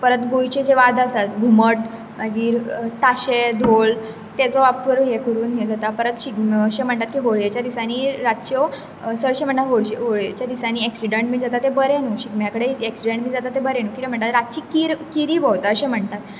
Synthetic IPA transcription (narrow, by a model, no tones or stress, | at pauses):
pəɾət̪ɡojt͡ɕed͡ʑeʋad̪ʱasat̪ɡʱuməʈ̚ | maɡiːɾt̪aɕed̪ʱol | t̪ɛt͡sɔapəɾɦekəɾuːnɦed͡zat̪apəɾət̪ɕikəɕem̤əɳt̪at̪kiːɦoɭjet͡ɕjad̪isaniːɾat̪t͡ɕɔ | səɭɕem̤əɳːaɦoɭɕeɦoɭjet͡ɕjad̪isaniːɛksiɖəɳʈmiːd͡zat̪at̪ːebəɾenuːɕiɡmjakəɽeeksiɖəɳʈmiːd͡zat̪at̪ːebəɾenuːkit̪em̤əɳt̪at̪ɾat̪̚t͡ɕiːkiɾkiɾiːbɔwt̪aəɕem̤əɳt̪at̪